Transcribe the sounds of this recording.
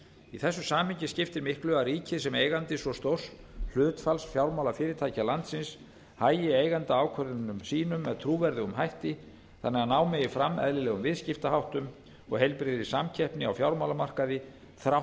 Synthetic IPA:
iθɛsːʏsaːmhɪɲcɪscɪft̪ɪɾmɪhklœɣaɾiːcɪsɛmejɣant̪ɪsvɔst̪owr̥sl̥ʏːt̪falsfjawɾmawlafɪːɾɪt̪ʰaːjcalant̪sɪns | haːjɪeːjɣant̪aaːwkʰœɾðɪnʏmsiːnʏmːɛðt̪ʰɾuːvɛɾðʏɣʏmhajht̪ɪ | θa̰nːɛɣanaːwmɛjɪfɾamːɛ̰ðlɪlɛːɣʏmvɪðscɪft̪aɦawht̪ʏm | ɔ̰ɣɦejlpɾɪðɪsamcʰɛhpnɪa̰wfjawɾmawlamar̥kaðɪ | θɾaw

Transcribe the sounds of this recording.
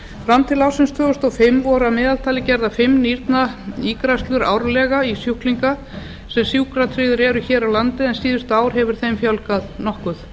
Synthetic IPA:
fɾamt̪ʰɪlawsɪnst̪ʰvœːɣʏst̪ɔfɪmːvɔɾamɛːðalt̪ʰaːlɪcɛɾðafɪmːniɾt̪naiːkɾast̪lʏɾa̰ːwɾlɛɣaisjuhkliŋka | sɛmsjuːkɾat̪ʰɾɪːðʏɾɛɾʏçɛːɾawlant̪ɪɛnsiːðʏst̪aːwɾ̥ɦɛvʏɾ̥θejmfjawlkaðnɔhkʏθ

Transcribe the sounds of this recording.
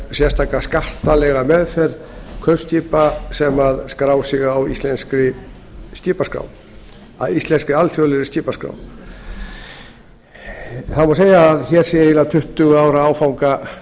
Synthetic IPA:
sjɛst̪ʰaːkaskar̥t̪alɛɣamɛðθɛɾðkʰœv̥sc̪iːpasɛmaðskɾaːwsɪɣawist̪lɛnskɾɪ | sc̪iːpaskɾa̰w | a̰ðist̪lɛnskɾɪalfjɔlɪɾɪsc̪iːpaskɾa̰ːw | θaðmɔseːjaːðçɛɾ̥sɛɪlat̪ʰʏht̪ʏɣaːwɾaaːwfawŋka

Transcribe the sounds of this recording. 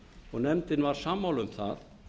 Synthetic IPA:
ɔɣnɛmt̪ɪnvaɾ̥saːmːawlʏmθa̰ð

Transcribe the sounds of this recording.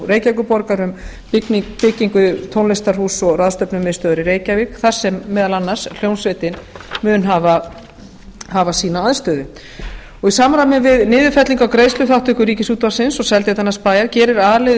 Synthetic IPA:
reːjcajkʏpɔɾkaɾʏm | pɪcːiŋkʏt̪ʰownlɪst̪ar̥huːsɔraðst̪œpnʏmɛðst̪œːðʏɾɪreːjcavikθḁsɛmːɛːðalanːaɾ̥sl̥jownsvejt̪ɪnmʏːʏnɦaːva | haːvasiːnaaðst̪œːðʏ | ɔɣisaːmaɾamɪnvɪðnɪːðʏfɛt̪liŋkawkɾeːjslʏθawht̪ʏhkʏɾiːcɪsuːt̪vaɾ̥sɪnsɔsɛlt̪jɛt̪anːaspaːjaɾcɛːɾɪɾaːðlɛ

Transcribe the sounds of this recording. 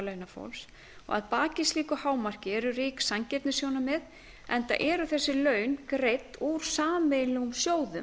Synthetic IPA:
lœɥnafo̰wls | ɔ̰ɣa̰ðpaːcɪsliːkʏhaːwmar̥cɪɛɾʏɾiːksaɲcɛt̪nɪsjoːwnamɪð | ɛnt̪a̰ʔɛɾʏθɛsːɪlœːɥnkɾejt̪uːɾ̥saːmejlɛɣumsjoːwðʏm

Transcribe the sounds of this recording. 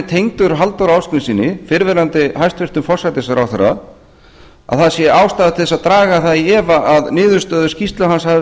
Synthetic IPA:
ɪt̪ʰejŋt̪ʏɾɦalt̪awɾaːwsknɪsiːnɪfɪɾvɪɾant̪ɪɦajst̪vɪr̥t̪ʏmfɔr̥sajt̪ɪsaɾa̰wθɛɾa̰ | a̰ðθaðsjɛaːwst̪aðat̪ʰɪðɛsaðt̪ɾaːɣaθaðiɛːvaʔaðnɪːðʏ̥st̪œːðʏscist̪laɦansha

